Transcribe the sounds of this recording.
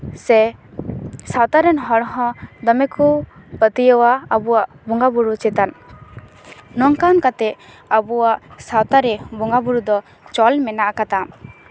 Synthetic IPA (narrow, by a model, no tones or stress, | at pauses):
sɛ | sawt̪aɾɛnɦɔɽɦɔ̃d̪ɔmɛkupət̪ijəwaabuwaʔbuŋɡabuɾut͡ʃɛt̪an | nɔŋkankat̪ɛ | abuwaʔsawt̪aɾɛbuŋɡabuɾud̪ɔ | t͡ʃɔlmɛnaʔakat̪am